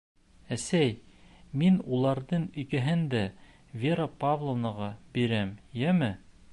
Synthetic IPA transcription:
æsæjminulˠɑɾðɤɴɵ̆jkæɦɘnd̪æ | vʲeɾapavlˠonɑ̆ʁɑbiɾæmjæmɘ

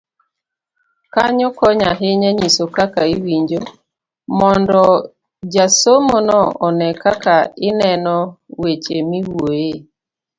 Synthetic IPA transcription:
kaɲokɔɲaɦeɲɛɲisokakaiwiɲd͡ʒo | mɔndɔ | d͡ʒasomonɔɔnɛkakaɪnɛnɔwet͡ʃemiwwoje

